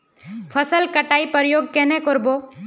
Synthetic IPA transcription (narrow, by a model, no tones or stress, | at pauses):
pʰəsəlkəʈaːipəɾjoːɡ̚kɛnekɔɾboː